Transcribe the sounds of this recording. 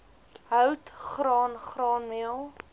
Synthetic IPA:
ɦœwtχrɑːnχrɑːnmiəlˠ

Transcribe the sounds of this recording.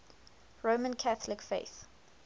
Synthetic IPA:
ɹoʊmə̃nkʰaθəlɪkfeɪθ

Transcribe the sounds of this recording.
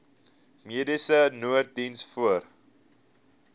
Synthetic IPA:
miədisənuərt̚dinsfuər

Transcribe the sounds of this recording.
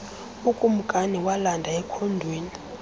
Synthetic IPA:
ukʼum̩kʼaniwalandʱaɛkʰondʱweːni

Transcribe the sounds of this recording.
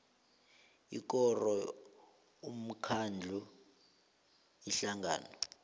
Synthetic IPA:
ḭk̬ɔrɔ | um̩kʰand͡ɮʱu | iɬaŋa̰ːnɔ

